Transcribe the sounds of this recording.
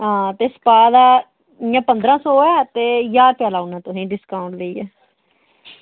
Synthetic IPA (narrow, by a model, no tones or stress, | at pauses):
ɦãːt̪eːsə̥paːd̪aː | ɪjãːpənd̪ɾãːsɔːɛːt̪eːjaːɾpɛːlaːʊnãːt̪ʊsĩːɖɪskaːʊ̃ɳʈləiːɛː